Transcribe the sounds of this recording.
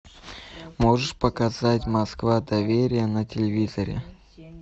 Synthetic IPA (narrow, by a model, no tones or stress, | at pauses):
moʐɨʂpəkɐzatʲmɐskvad̪ɐvʲeɾʲɪjənɐtʲɪlʲɪvʲizəɾʲɪ̰